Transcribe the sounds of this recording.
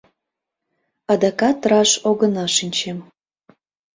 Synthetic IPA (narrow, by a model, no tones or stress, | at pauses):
ɑd̪ɑkɑt̪rɑʃoɣənɑʃinʲt͡ɕem